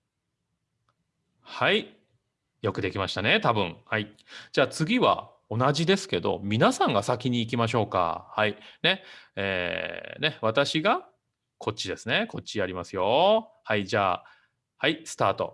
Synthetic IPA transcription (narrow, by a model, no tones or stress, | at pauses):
hai | jo̞kɯ̟d̪e̞kʲimaɕi̥t̪ane̞t̪abɯ̟̰̃ɴhaid͡ʑaːt͡sɨɡʲiβa̰ | o̞naʑid̪e̞sɨ̥ke̞d̪o̞̰mʲinasãŋɡasakʲiɲ̟iːk̬ʲimaɕ̬o̞ːka̰haine̞ḛːne̞β̞at̪aɕiɡa | kʰo̞t͡ɕːid̪e̞sɨne̞ko̞t͡ɕːiaɾʲimasɨjo̞haid͡ʑaː | haisɨ̥t̪aːt̪o̞̰